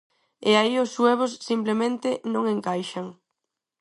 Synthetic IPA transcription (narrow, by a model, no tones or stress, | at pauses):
eaiʊsweβ̞ʊsːimplemẽnt̪ɪnõŋeŋkajʃaŋ